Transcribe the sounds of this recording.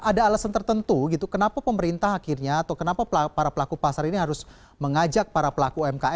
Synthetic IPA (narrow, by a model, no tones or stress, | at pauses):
ʔadaːlasant̪ərt̪ənt̪uɡit̪ukənapapəməɾint̪aɦakirɲaːt̪akənapapəapaɾapəlakupasaɾiniɦaɾʊs | məŋad͡ʒak̚paɾapəlakuɛmkaɛ